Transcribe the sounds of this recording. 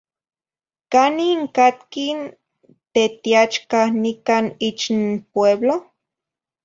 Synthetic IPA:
kaniŋkat̪kin | t̪et̪iat͡ʃkahnikanit͡ʃnpweblo

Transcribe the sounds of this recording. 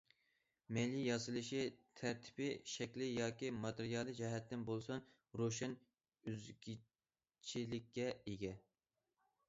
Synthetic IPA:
mejlijɑsɨlˠɨʃit̪ʰæɾt̪ʰɪ̥pɪʃɛkʲlɪjɑːkʲimɑt̪eɾijɑlˠɨd͡ʒɛɦɛt̪ːɪnbolˠsʊn | ɾoʃɛn | yzɡʲi | t͡ʃʰilɪkʲʰːɛeɡʲɛ

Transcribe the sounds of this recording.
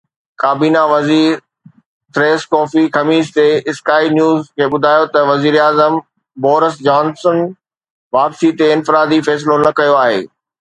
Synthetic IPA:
kaːbiːnaʋɐziːɾ | t̪ɾeːskɔːfixɐmiːʃt̪eɪskaːinjuːzkʰeːɓʊd̪ʱaːjot̪ɐʋɐziːɾaːzəm | bɔːɾəs̬d͡ʑaːnsən | ʋaːpsit̪eɪ̃nfɪɾaːd̪ifɛːs̬lonɐkɐjoaːɦḛː

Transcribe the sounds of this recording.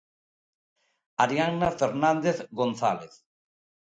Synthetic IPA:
aɾjaŋnafeɾnãnd̪eθɡonθa̰leθ

